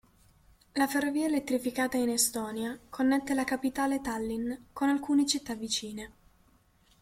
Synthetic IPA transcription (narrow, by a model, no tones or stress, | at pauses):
laferːoviːaelet̪ːɾifikaːt̪ainest̪ɔːnjakʰonːɛt̪ːelakapit̪aːlet̪alːinkonalkuːnet͡ʃit̪ːavit͡ʃiːne